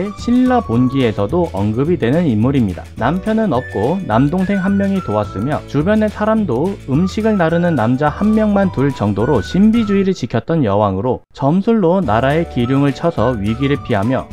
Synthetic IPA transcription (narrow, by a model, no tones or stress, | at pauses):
eɕʰiɭːaponɡie̞sʰʌdoʔʌŋɡɯbidwe̞nɯnimːuɾimɲida̰nampʰjʌnɯnʌp̚k͈onamdoŋsʰe̞ŋɦanmjʌŋitoas͈ɯmjʌt͡ɕubjʌne̞sʰaɾamdoɯmɕʰiɡɯɭnaɾɯnɯnːamd͡ʑahanmjʌŋmantuɭt͡ɕʌŋdoɾoɕʰimbid͡ʑuiɾɯɭt͡ɕikʰjʌt̚t͈ʌnjʌwaŋɯɾot͡ɕʌmsʰuɭːonaɾae̞kiɾjuŋɯɭt͡ɕʰʌsʰʌɥiɡiɾɯɭpʰiɦamjʌ